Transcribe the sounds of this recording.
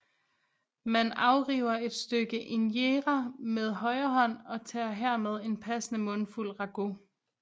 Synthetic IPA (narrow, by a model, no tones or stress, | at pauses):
mænɑ̈ʊʁiːʊ̰ɐe̝d̥sd̥øɡ̥əʔenjeːʁameð̞ˠɦɒ̽ɪɐɦɒ̽n̰ɒ̽t͡sʰɛːɐɦæɐ̰með̞ˠe̝npʰæsənəmɔ̽nful̰ʁɑ̈ɡ̥o̝